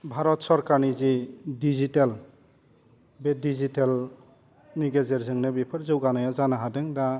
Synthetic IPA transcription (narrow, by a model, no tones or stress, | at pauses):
bʱaɾɔtsɔɾkaɾnizidizitel | bedizitel | niɡezeɾzɯŋnebipʰɯɾzɯwɡanajazanaɦadɯŋda